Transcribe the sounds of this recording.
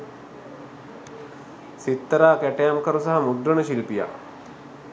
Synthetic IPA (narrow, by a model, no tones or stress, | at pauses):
sit̪ːəɾaːkæʈejamkəɾusaɦamud̪ɾəɳəʃilpija̰